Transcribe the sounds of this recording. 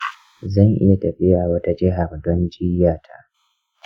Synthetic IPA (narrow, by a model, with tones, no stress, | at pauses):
zɐ˦˨ŋʔɪ̰˦ja˨tɐ˨ɸɪ˦ja˨wɐ˦ta˦d͡ʒɪ˦ɦa˨rdɔ˦nd͡ʒɪ˦jaː˨tʰa˦ʔ